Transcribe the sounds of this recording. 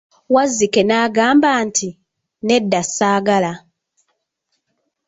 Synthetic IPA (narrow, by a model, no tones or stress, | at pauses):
wazːike̞naːɡaːmbaːnti | ne̞dːasːaːɡala